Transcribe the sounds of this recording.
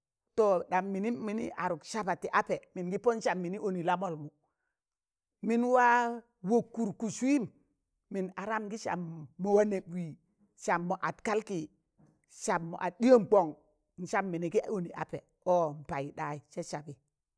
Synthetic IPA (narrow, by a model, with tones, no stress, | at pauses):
to˨ɗa˨mːi˨ni˦mi˨nḭ˦ʔa˨ɾu˨kʃa˦pa˨ti˨ʔa˦pe˨mi˨nɡi˦po˦n˦ʃa˨mːi˨ni˦ʔo˨ni˨la˦mo˨lmu˨ | mi˦nwa˦ | wo˨kːu˨ɾku˨su˦i˦m | mi˨na˨ɾa˦mɡi˦ʃa̰˨mːo˨wa˦ne˨bwi˨ | ʃa˨mːo˨ʔa˨tka˦lki˨ | ʃa˨bːo̰˨ʔa˨di˦jo˦mk͡po˨ŋ | n̩˨t͡ʃa˦mːi˨ni˨ki˦o˦ni˨ʔa̰˨pe˨ | ɔ˦m̩˨pa˨ji˨da˦i˨t͡ʃe˦t͡ʃa˨bi˨